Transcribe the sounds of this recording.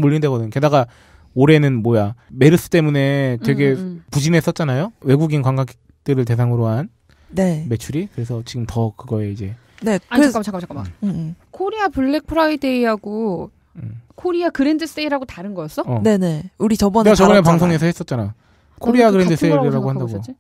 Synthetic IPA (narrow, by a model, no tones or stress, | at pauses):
muʎːindwe̞ɡʌdɯɲke̞daɡa | oɾe̞nɯnmojame̞ɾɯs͈ɯ̥t͈e̞mune̞twe̞ɡe̞pud͡ʑinɦe̞s͈ʌt̚t͡ɕ͈anajowe̞ɡuɡinkwaŋɡak | t͈ɯɾɯɭte̞s̬ʰaŋɯɾoɦan | nme̞t͡ɕʰuɾikɯɾe̞sʰʌt͡ɕiɡɯmtʌkɯɡʌe̞id͡ʑe̞ | neat͡ɕak͈amt͡ɕʰakamt͡ɕʰaka | kʰoɾiapuɭːe̞k̚pʰɯɾaede̞iɦaɡo | kʰoɾiakɯɾe̞ndɯs͈eiɾaɡotaɾɯnɡʌjʌs͈ʌʌnene̞uɾit͡ɕʌbt͡ɕʌɡɯnepaŋsʰoŋe̞s̬ʰʌɦe̞s͈ʌt̚t͡ɕ͈ana | kʰoɾiaɡɯɾendɯss͈eiɾiɾaɡoɦandaɡ